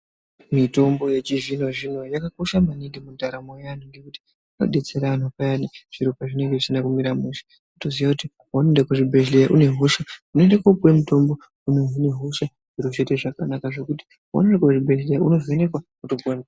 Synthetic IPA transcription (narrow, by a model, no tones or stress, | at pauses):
mito̞mbo̞je̞t͡ʃiʐino̞ʐino̞jakako̞ʃamaniŋɡemundʱaɾamojanoŋɡe̞kuti̥ | no̞̰ɗe̞t͡se̞ɾan̤opajaniʐ̥iɾopaʐine̞ŋɡe̞ʐisinakumiɾamuʃḁ | utoziʋakuti | wonondekuʐibʱeɮlejaʔune̞ɦuʃaunoendekapwe̞muto̞mbo̞ | uneɦune̞ɦuʃa | ʐiɾot͡ʃe̞te̞ʐakanakaʐe̞kuti̥ | wo̰nendekoʐibʱe̞ɮlejaʔuno̞vene̞kwa | utoɡuan